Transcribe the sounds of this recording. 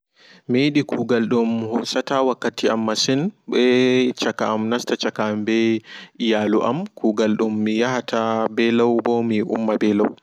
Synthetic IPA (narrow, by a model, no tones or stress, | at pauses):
mejɗikʰuɡalɗumhɔsatawakːatiamːasɛnɓɛt͡ʃakaːmnastat͡ʃakambɛijaluʔa̰mkuːɡalɗumːijahatabɛlawbɔmiʔṵmːabɛlaw